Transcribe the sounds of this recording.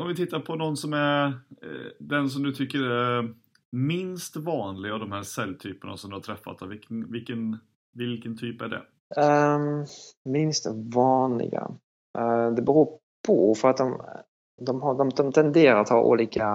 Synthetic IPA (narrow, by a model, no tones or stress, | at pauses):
ɔmvɪt̪ʰɪt̪ːaɾpʰɔnɔnːsɔmæɾ | d̪ɛns̬ɔmd̪ɵt̪ʰʏkːəɾæɾ | mɪnst̪vɑːnlɪɡavd̪ɔmhæːɾsɛlːt̪ʰyːpəna̰sɔmd̪ɵhat̪ʰɾɛfːa̰t̪ːɛvɪkvɪlkːən | vɪlkənt̪ʰyːpæɖɛ̰ | mɪnst̪vɑːnlɪ̰ɡa̰ | d̪ɛbɛɾuː | pʰɔ̰fœɾat̪̚d̪ɔm | d̪ɔmɦad̪ɔmd̪ɔmt̪ʰɛnd̪eːɾaɾat̪hɑ̰ːʔṵːliːka